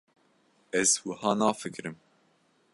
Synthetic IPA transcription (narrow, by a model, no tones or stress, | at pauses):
ɛzwəhɑːnɑːfɨkɾɨm